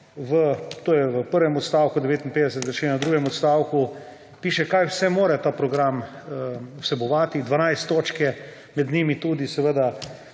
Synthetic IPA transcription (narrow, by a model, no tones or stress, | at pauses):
ʋət̪oːjɛʋəpəɾʋɛmɔt̪st̪aːwkud̪ɛʋeːt̪inpeːd̪ɛs̬ɛt̪zaʃenad̪ɾuːɡɛmɔt̪st̪aːwku | piːʃɛkajwsɛmoːɾɛt̪aːpɾɔɡɾam | ɔsɛbɔʋaːt̪id̪ʋanajst̪ːoːt͡ʃkɛ | mɛd̪nimit̪uːd̪isɛʋəd̪a